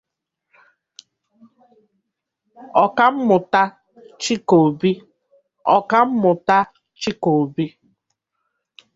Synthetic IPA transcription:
ɔ˨ka˦m̩˦mʊ˨ta˦ | t͡ʃi˦ko˨bi˦ | ɔ̰˦˨ka˦m̩˦mʊ˨ta˦ | t͡ʃi˦ko˨bi˦

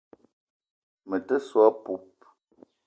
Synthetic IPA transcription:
mə˨tə˦swa˦pu˦p̚

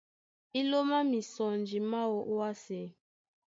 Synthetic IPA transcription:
i˦lo˦ma˦mi˨sɔ˨nd͡ʒi˨ma˦wo˦ʔu˦a˦sɛ˨˦

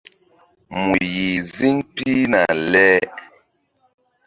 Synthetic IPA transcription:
mu˨ji˨zi˦npi˦na̰˨lɛ˦

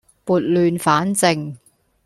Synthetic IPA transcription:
puː˨˩t̚lyː˨nfaː˨˥nt͡sɪ˨˩ŋ

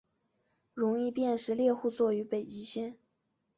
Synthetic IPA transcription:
ɻʊ˧˥ŋi˥˧pjɛ˥˧nʂɻ̩˥˧ljɛ˥˧xu˥˧t͡swɔ˥˩y˧˥pe˨˩ɪt͡ɕi˧˥ɕjɛ˥n

